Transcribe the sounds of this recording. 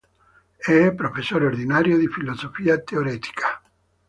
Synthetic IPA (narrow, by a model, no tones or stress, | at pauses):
ɛpɾofesːoɾeoɾd̪inaɾjod̪ifilozofiːat̪eoɾɛt̪i̥kʰḁ